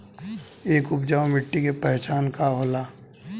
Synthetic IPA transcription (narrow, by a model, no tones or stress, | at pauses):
eːkʊpd͡ʒaːwmɪʈːikepɛɦt͡ʃaːnkaɦolaː